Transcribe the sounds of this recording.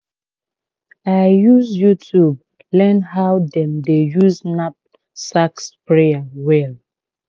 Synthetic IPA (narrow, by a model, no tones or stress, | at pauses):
ajjuzjutʰub̚ | lɛ̃nɦawdɛ̃mdejuznap̚ | sakspɹeawɛl